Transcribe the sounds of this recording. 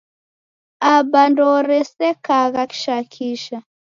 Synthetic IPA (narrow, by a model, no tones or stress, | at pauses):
abandɔɾɛsɛkaɣaki̥ʃakʰiʃa